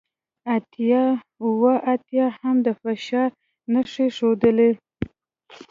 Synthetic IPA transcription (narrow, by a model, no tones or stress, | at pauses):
at̪ | wəʔat̪jɑhamd̪əfaʃɑɾ | naʂeʂod̪əle